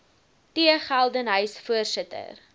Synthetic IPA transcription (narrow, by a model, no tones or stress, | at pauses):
tiəχælˠdənɦœɥsfuərsətə̰r